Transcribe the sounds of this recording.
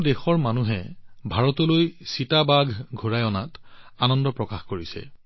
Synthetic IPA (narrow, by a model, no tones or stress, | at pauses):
dɛxɔɹmanuɦɛbʱaɹɔtɔlojsitabaɡʱɡʱoɹajɔnatanɔndɔpɹɔkaxkoɹisɛ̰